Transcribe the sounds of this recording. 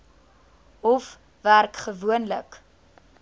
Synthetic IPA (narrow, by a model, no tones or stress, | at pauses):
ɔf | værkχəvuənlək